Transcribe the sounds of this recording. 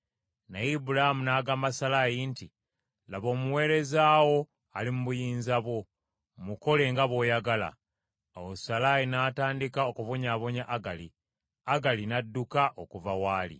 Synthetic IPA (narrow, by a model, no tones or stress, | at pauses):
najibuɾaimunaːɡamasalajinti | laβo̞ːmuwe̞ːɾe̞zaːwo̞ | alimuβujiːnzaβwo̞ | muko̞le̞ŋɡaβo̞ːjaɡala̰ | awosalaːjinaːtaːndikao̞kuvo̞ɲaːβo̞ɲaʔaɡalḭ | aɡalinadːukaʔokuvawaːlḭ